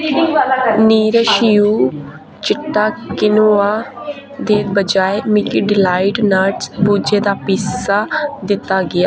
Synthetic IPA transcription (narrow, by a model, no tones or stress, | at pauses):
niːɾəʃiːuː | t͡ʃɪʈːaːkɪnoːaː | d̪eːd̪̚bəd͡ʒaːemɪkiɖɪlaːɪʈnaːʈbuːd͡ʒeːd̪aːpiːsaːd̪ɪt̪ːaːɡɪjaː